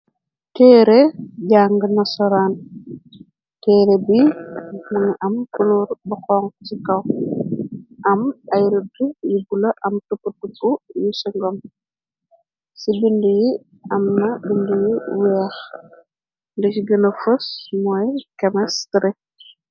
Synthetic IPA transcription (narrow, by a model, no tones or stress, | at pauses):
tɛɾɛɟaːŋɡənɐsɔɾaːn | tɛːɾebimɐŋɐʔɐmkuluɾbɐxɔŋcikɐw | ʔɐmɐjɾudujibulɐʔɐmtupːutːupːujusiŋɡɔm | sibinduji | ɐmnɐbindujiwɛːx | ndiciɡɐnɐfɐsmɔːjkɐmɐstɾɛ